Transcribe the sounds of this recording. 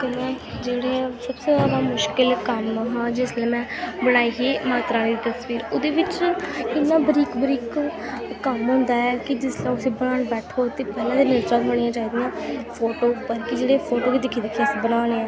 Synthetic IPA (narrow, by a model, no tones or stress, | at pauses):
t̪emɛ̃ː | d͡ʒeːɽeːsəbseːzaːd̪aːmʊʃkɪlkəmɦãːd͡ʒɪslːmɛ̃ːbəɽ̃aːiːɦiːmaːt̪ɾaːnːd̪it̪əsʋiːɾʊd̪eːʋɪt͡ʃɪnːaːbəɾiːkbəɾiːk | kəmɦʊ̃ːnd̪aːɛːkɪd͡ʒɪslɛ̃ʊseːbəɽaːɽbɛːʈʰoːt̪eːpɛːlãːd̪eːnəd͡ʒɾabəɽ̃ijãːt͡ʃaːiːd̪ijãːpʰoːʈoːpəɾkɪd͡ʒeːɽeːpʰoːʈoːkeːd̪ɪkʰːiːd̪eːkʰːsibəɽaːneːɛ̃ː